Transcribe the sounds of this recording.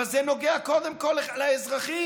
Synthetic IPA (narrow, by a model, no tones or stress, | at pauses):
azɛnoɡeakod̪ɛmkɔlalaɛzʁaχi